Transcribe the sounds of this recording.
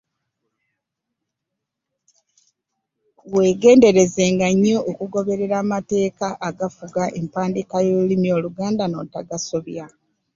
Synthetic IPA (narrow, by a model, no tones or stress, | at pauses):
we̞ːɡe̞ːnde̞ɾe̞zeːŋɡaɲːookuɡo̞βe̞ɾe̞ɾaːmate̞ːkaʔaɡafuɡaʔempaːndikajoːlimjo̞ːluɡaːndano̞̰taɡaso̞βja